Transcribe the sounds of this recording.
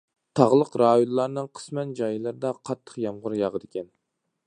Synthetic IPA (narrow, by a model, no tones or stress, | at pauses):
t̪ʰɑʁlˠəqɾɑːjonlˠɑɾnɨŋqʰə̥smɛnd͡ʒɑjlˠɨɾɨd̪ɑqʰɑt̪ʰːə̥qjɑmʁʊɾjɑʁəd̪ɪkʲʰɛn